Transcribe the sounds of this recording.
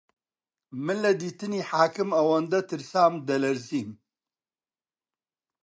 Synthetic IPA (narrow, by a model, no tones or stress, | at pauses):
mɨnlɐd̪iːt̪ɨniːħaːkɨmɐwɐnd̪ɐt̪ʰɨɾsaːmd̪ɐlɐɾziːm